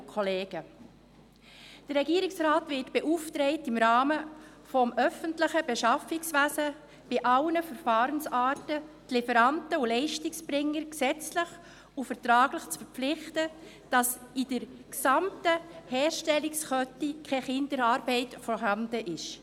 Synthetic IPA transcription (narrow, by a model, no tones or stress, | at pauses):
kʰɔleːɡ̥ə | d̥ərːɛɡiːɾɪksɾaːtʋɪtb̥eʔuftɾɛɪtɪmɾɑːmə | fɔmʔœfəntləχəb̥eʃɑfɪksʋæsə | b̥ɪʔɑlnəfəɾfɑːɾənsaːtətlɪfəɾɑntəulɛɪʃtɪksb̥ɾɪŋːəɾksɛt͡slɪχ | ufəɾtɾɑːɡ̥lɪχt͡sfəɾpp͡flɪχtə | d̥ɑsid̥əɾksɑmtəhɛːʃtɛlɪksχœtikʰɛχɪndəɾɑːɾbɛɪtfɔɾɦɑnd̥əʔɪʃ